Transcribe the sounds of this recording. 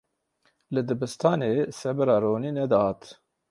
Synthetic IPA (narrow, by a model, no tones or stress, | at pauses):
lɨd̪ɨbɨst̪ɑːneːsɛbɨɾɑːɾoːniːnɛd̪ɑhɑːt̪